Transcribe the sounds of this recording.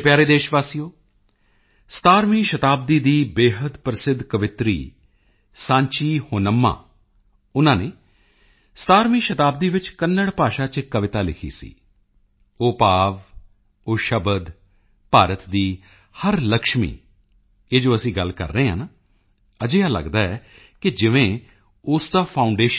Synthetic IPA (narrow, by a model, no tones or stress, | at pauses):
pjaːɾeːd̪eːʃʋaːsijoː | st̪aːɾmiːʃət̪aːb̚d̪iːd̪iːbeːɦəd̪pɾəsɪd̪ʱkəʋɪt̪ɾḭː | sãːɲt͡ʃiːhoːnəmːã̰ː | ʊnãːneː | st̪aːɾmiːʃət̪aːb̚d̪iːʋɪt͡ʃkənːəɽpaːʃaːt͡ʃkəʋɪt̪aːlɪ̰kʰḭːsḭː | oːpaːʋ | oːʃəbəd̪ | paːɾət̪d̪iː | həɾləkʃmḭː | eːd͡ʒoːəsĩːɡəlkə̰ɾːəeːɦəːnː | əd͡ʒeːaːlə̰ɡd̪aːɛː | kɪd͡ʒɪʋẽː | ʊsd̪aːpʰaːʊɳɖeːʃ